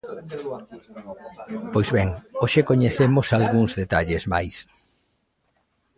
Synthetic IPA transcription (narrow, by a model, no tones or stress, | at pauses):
pojzβeŋoʃekoɲeθemosalɣuŋzðet̪aʎezma̰js